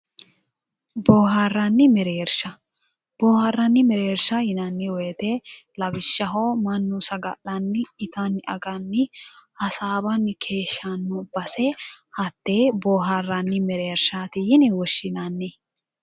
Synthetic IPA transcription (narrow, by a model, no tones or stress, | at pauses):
boːɦarːɐnːɪmɛɾeːɾʃɐ | b̥oːhɐrːɐnːɪmɛɾeːɾʃɐhɪnɐnːɪwɛjt̪eːlɐbɪʃːɐɦoːmɐnːusɐɡɐʔɐnːɪɪt̪ɐnːɪɐɡɐnːɪhɐsaːbɐnkʰe̞ːʃːɐnːʊbɐsɛhɐt̪ːeːboːɦaːrːɐnːɪmɛɾeːɾʃaːt̪ɪjɪnɪwɔʃːɪnɐnːɪ